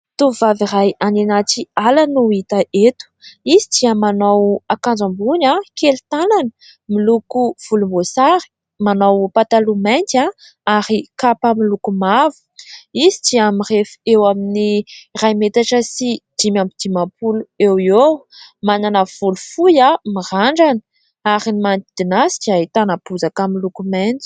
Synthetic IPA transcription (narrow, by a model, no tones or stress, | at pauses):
t̪uvavirajananat͡sialanuit̪aʔet̪u̥izid̪iamanawakãnd͡zambunakelit̪ananə̥ | milukuv̥ulumbosaɾi̥ | manawpat̪alumajnt̪a | aɾikapəmilukumavu̥izidiamirefewaminirajmet̪aʈ͡ʂəsid̪̥imambid̪̥imapuluewiewmananav̥ulufujamiraɳɖ͡ʐanə̥ | aɾinimant̪id̪̥inasi̥kiait̪anapuzakamilukumant̪i̥